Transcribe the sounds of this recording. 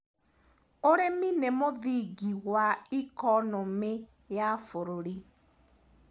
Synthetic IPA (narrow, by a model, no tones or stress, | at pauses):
oɾeminemoðiɡiɣwaikɔnɔme | jafoɾoɾi